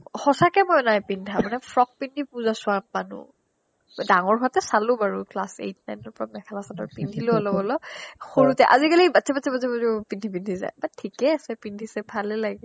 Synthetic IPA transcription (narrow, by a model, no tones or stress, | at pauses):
xɔsakɛmɔjnajpindʱamanɛpʰɹɔk̚pindʱipuzasʊ̃amanṵ | daŋɔɹɦatɛsalʊbaɹuklasḛjt̚najnɔɹpɔɹamɛkʰalasanɔ̰ɹpindʱiloɔlɔbɔlɔxoɹutɛʔa̰zikalibatʰɛbatʰɛbatʰɛbazɛpindʱip̬indʱiza̰jbatʰikɛasɛpindʱisɛbʰalɛlaɡɛ